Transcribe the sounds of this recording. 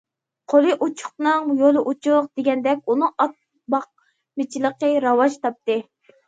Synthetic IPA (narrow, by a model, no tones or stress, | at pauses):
qʰolˠɨʔut͡ʃʰʊ̥qnɨŋjolˠɨʔut͡ʃʰʊq̚d̪eɡʲɛnd̪ɛkʲunɨŋɑt̪̚ | bɑq̚ | mɪt͡ʃʰilˠəqəɾɑwɑʃt̪ɑp̚t̪ɨ